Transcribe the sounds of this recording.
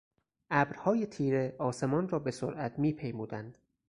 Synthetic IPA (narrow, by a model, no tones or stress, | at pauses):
ʔæbɾhɒːjet̪ʰiːɾe̞ɒːse̞mɒːnrɒːbe̞soɾʔæt̪ʰmiːpʰe̞jmuːd̪ænd̪̥